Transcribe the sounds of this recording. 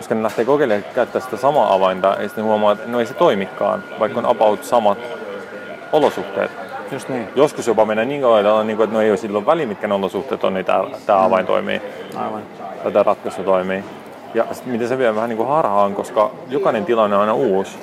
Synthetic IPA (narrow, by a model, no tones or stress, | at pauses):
joskɑnelæht̪eːkokeliɑkæyt̪ːæːsi̥t̪æsɑmɑ̰ːʔɑʋɑint̪ɑʔḛisit̪nehuɑmoɑːet̪noeiset̪oimikːɑ̰ːnʋɑikːonɑ̰pɑut̪sɑmɑt̪ | olosuht̪ḛːt̪ | joskusjopɑmenːæniːŋkɑwɑit̪ɑlːɑniːŋkuet̪noeiosilːoʋʋæliːmit̪̚kæneolosuht̪eːt̪ːo̰nnit̪æ̰ːt̪æːɑʋɑint̪o̰imḭː | t̪æt̪ærɑt̪kɑst̪ːɑt̪oimiː | jɑsi̥t̪mit̪eseʋiæʋæhæniːŋkuhɑrhɑːŋkoskɑ | jokɑnent̪ilɑnːeonɑinɑuːs